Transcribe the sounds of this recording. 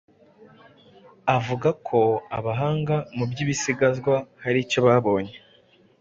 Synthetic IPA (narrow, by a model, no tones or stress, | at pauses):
avuɡakʰo̞aβaɦaːŋɡamubɟiːβisiɡazɡwahaɾico̞βaːβo̞ːɲe